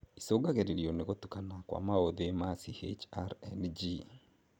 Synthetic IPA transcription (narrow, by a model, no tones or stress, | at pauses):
isoɡaɣeɾeɾjoneɣotukanakwa̰maoðemasihḛt͡ʃaɾɛnd͡ʒi